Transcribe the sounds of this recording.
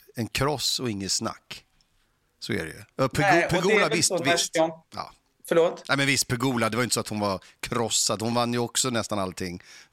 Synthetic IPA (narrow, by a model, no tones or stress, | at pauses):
ɛnkʰɾɔsɔɪŋːəsna̰kː | sɔæ̰ɾɛ̰jɵ̰ɑpʰɛpʰɛɡuːlaɪst̪vɪsɑ̰ː | fœɭoːt̪nɛmɛnvɪst̪̚pʰɛɡuːlad̪ɛvaɾjʏnt̪əsɔat̪hʊnvaɾ | kʰɾɔsːad̪hʊnvanːjɵɔksɔnɛst̪analt̪ʰɪŋː